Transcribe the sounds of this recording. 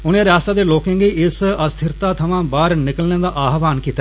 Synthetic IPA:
ʊnẽːɾɪaːst̪aːd̪eːloːkɪ̃ŋɡiːɪsəst̪ʰɪɾt̪aːt̪ʰəʋãːbaːɾnɪkəlnẽːd̪aːʔaːɦʋaːnkiːt̪a

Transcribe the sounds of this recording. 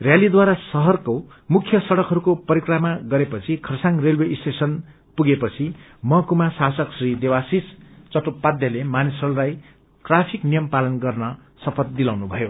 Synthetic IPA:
rjalid̪waɾasʌɦʌrko | mukʰjʌsʌɽʌkɦʌɾukopʌɾikramaɡʌɾepʌt͡sʰikʰʌrsaŋrelwesʈesʌn | puɡepʌt͡sʰi | mʌkumasasʌksrid̪ewasist͡sʌʈupbad̪jʌlemanisʌɽulaj | ʈrapʰiknijʌmpalʌnɡʌrnʌ | sʌpʰʌt̪̚d̪ilawnubʱʌjo

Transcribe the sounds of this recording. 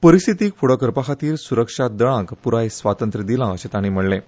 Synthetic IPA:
pəɾist̪ʰit̪iːkfuɽəkəɾpakʰat̪iːɾsuɾəkʂad̪əɽ̃ãkpuɾajsʋat̪ənt̪ɾəd̪ilãəɕet̪aɽ̃im̤əɽlẽ

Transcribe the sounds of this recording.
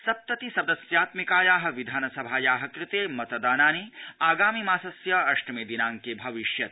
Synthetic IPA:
sɐp̚t̪ɐt̪isɐd̪ɐsjaːt̪mikaːjaːɦɐ̆ʋid̪ʱaːnɐsɐbʱaːjaːɦɐkɾɪt̪eːmɐt̪ɐd̪aːnaːniaːɡaːmimaːsɐsjɐɐʃʈɐmeːd̪inaːŋkebʱɐʋiʃjɐt̪̚

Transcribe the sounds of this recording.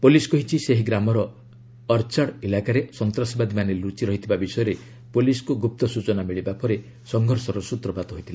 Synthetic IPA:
poliskɔɦit͡ʃʰiseɦiɡɾamɔɾɔː | ɾt͡ʃaɽilakaɾesɔnt̪ɾasɔbad̪imanelut͡ʃiɾɔɦit̪ʰibabisɔjɔɾe | poliskuɡup̚t̪ɔsut͡ʃɔnamiɭibapɔɾe | sɔŋɡʱɔɾsɔɾɔsut̪ɾɔbat̪ɔɦojt̪ʰila

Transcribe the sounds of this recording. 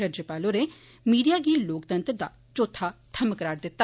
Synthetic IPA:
ɾaːd͡ʒjəpaːloːɾeː | miːɖijaːɡiːloːkt̪ə̃nt̪ɾd̪a̰ː | t͡ʃoːt̪ʰaːt̪ʰəməkɾaːʈd̪ɪt̪ːa

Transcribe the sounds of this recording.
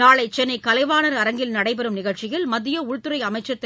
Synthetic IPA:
aːɭɐɪt͡ʃɛnːɐɪkɐlɐɪʋaːnɐɾɐɾɐŋɡɪlnɐɽɐɪpɐɾɯmnɪɣɐɭt͡ʃɪjɐlmɐðːɪjɐʊɻt̪ɯɾɐɪɐmɐɪt͡ʃːɐt̪ː

